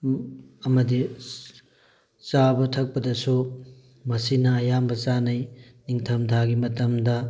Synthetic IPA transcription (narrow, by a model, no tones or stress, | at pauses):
ɐmɐdi | t͡ʃabɐtʰɐk̚pɐdɐsu | mɐsinɐːjambɐt͡ʃanɐjniŋtʰɐmtʰaɡimɐtɐmdɐ